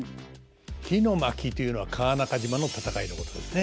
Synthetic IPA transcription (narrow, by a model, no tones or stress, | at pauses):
kʲino̞makʲit̪o̞jɯ̟no̞βakʰaːnakaʑimano̞t̪at̪akaino̞ko̞t̪od̪e̞̰sɨne̞